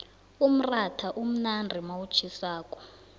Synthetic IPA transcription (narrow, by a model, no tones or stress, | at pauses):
um̩ratʰaʔum̩nandʱimawut͡ʃʰisaːkʼɔ̥